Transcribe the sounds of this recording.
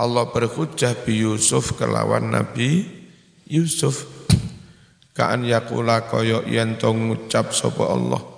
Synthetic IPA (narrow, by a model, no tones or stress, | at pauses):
ʔɔlːɔhbərkud̥ʒ̥ahb̥ijusʊfkəla̰wanːab̥i | jusʊf | ka̰ʔanjakulakɔjɔʔjɛnt̪ɔŋut͡ʃap̚sɔpɔʔɑlːɔ̰h